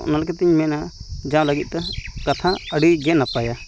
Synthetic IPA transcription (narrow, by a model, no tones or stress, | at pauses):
ʔnalkɛt̪iɲmɛnad͡ʒãw̃ləɡit̪̚ˀt̪ɛkat̪ʰaəɽiɡɛnapaja